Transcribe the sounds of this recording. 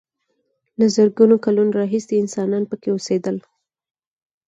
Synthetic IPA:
lazəɾɡunokalunoɾɑɦiseɪnsɑnɑnpəkeosed̪əl

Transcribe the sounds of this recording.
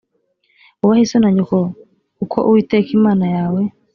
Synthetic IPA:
uwahisɔnaɲukɔ | ukʰɔ̰ʔuitɛkimanajawɛ

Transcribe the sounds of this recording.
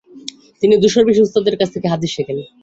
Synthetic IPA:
t̪inid̪uʃoɾbiʃust̪od̪eɾkat͡sʰt̪ʰekeɦad̪iʃekele

